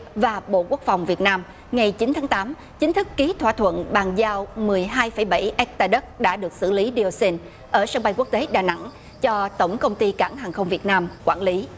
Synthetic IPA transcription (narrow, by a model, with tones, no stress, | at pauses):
vaː˨˩ɓo̰˧˨ku˦˥ək̚fa˨˩wŋ͡mvi˨˩ət̚naː˧m | ŋa˨˩jt͡ɕï˨˦nt̪ʰaː˨˦ŋt̪aː˨˦m | t͡ɕï˨˦ŋ̟t̪ʰɨ˦˥kːi˨˦t̪ʰwa̰ː˧˨˩t̪ʰwə̰˧˨nɓaː˨˩ŋzaː˧wmɨ˨˩əjɦaː˧jfə˧˩jɓa˧˩jʔɛ˦˥k̚t̪aː˧˩ɗə˦˥t̚ɗa̰ː˧˥ɗɨ˨˩ək̚sɨ̰˧˩li˨˦ɗi˧o˧si˧n | ʔəː˧˩saː˧ŋɓa˧jku˦˥ək̚t̪e˨˦ɗaː˨˩na̰˧˥ŋ | t͡ɕɔ˧t̪ə˧˩wŋ͡mkə˧wŋ͡mt̪i˧ka̰ː˧˩ŋɦaː˨˩ŋxə˧wŋ͡mvi˨˩ət̚naː˧mkwaː˧˩nli˨˦